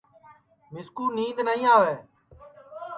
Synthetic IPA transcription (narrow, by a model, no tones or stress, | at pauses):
mɪskuːniːd̪nəĩːaːʋeː